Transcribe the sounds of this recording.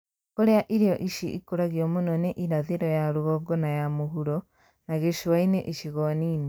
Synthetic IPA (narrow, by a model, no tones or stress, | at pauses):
koɾeaʔiɾejɔʔiʃiʔikoɾaɣiɔmonɔneʔiɾaðeɾɔjaɾuɣɔɡɔnajamoɦuɾɔ | naɣeʃwaineʔiʃiɣɔniːne